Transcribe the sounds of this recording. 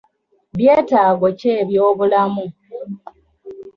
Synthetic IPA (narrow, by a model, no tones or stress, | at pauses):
βje̞ːtaːɡoce̞ːβjo̞ːβulamu